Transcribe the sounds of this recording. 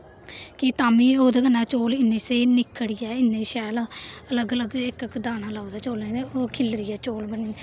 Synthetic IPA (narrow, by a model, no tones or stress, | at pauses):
kɪt̪aːmĩːoːd̪eːɡənːaːt͡ʃoːlɪnːẽːseːnɪkʰːəɽɪjɛːɪnːeːʃɛːlələɡələɡɪkkd̪aːnãːlaːod̪aːt͡ʃoːlẽːoːkʰɪlɾɪjɛːt͡ʃoːlbənĩː